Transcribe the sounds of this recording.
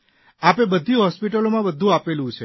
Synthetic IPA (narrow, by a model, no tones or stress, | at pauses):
apebəd̪ʱiɦɔspiʈəlomãbəd̪ʱũapelũt͡ʃʰe